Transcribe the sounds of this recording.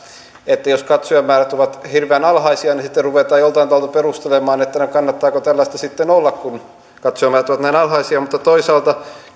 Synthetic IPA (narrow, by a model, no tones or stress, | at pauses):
et̪ːæjoskɑt̪soæmːæːræt̪uʋɑt̪hirʋeænɑlhɑisiɑnisit̪ːeruʋet̪ɑːjolt̪ɑinɑʋɑlt̪uperust̪elemɑːnet̪ːænykɑnːɑt̪ːɑːkot̪ælːæst̪ɑsit̪ːenolːɑkkun | kɑt̪soæmæːræt̪uoʋɑt̪næinɑlhɑisiɑmut̪ːɑt̪oisɑːlt̪ɑ